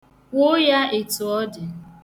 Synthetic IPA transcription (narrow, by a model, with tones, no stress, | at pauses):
kʷo˦ja˦e˨tʊ˨ɔ˦dɪ˨